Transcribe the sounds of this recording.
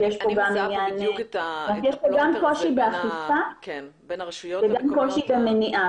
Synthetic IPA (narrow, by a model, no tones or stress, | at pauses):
jeʃpoɡaminjannatjeʃpoɡamko̞ʃibeaχifa | veɡamko̞ʃibemeniʔa